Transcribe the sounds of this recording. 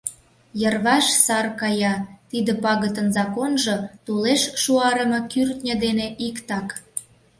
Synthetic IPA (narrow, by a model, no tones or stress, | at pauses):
jərβɑʃsɑrkɑjɑt̪id̪ə̆pɑɣət̪ənzɑkonʒɤ̆t̪uleʃʃuɑɾə̆mɤ̆kyrt̪nʲəd̪eneʔikt̪ɑk